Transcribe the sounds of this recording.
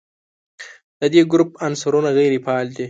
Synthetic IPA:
d̪̥əd̪eɡɾup̚ansaɾunaɣejɾipɑːld̪i

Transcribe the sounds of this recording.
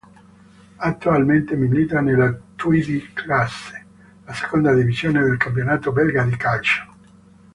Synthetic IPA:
at̪ːualment̪emilit̪anelat̪uid̪ikʰlasːe̥ | lase̥kond̪ad̪ivizjoːned̪elkampjonaːt̪obɛlɡad̪ikalt͡ʃo̥

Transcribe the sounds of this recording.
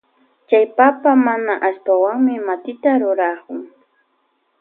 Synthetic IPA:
t͡ʃajpapamanaʔast̪awaŋmɪmat̪ɪt̪aɾʊɾaχʊŋ

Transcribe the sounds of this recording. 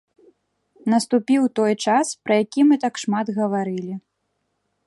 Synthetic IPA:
nɐst̪upʲiwt̪ɔjt͡ʂaspɾɐjakʲimɨt̪akʂmad̪ɣɐvaɾɨlʲi

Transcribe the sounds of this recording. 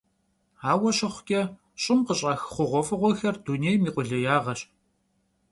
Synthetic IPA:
aːwɐɕɐχʷʊkʲʼɛ | ɕʼɪmqəɕʼaːxχʷʊʁʷɔfɨʁʷɔxɐrduneːjmiːqʷʼʊɮɐjaːʁɐɕʼ

